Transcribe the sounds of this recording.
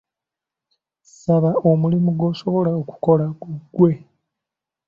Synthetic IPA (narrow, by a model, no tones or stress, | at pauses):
saβao̞mulimuɡo̞ːso̞βo̞laoku̥ko̞laɡuɡːwe̞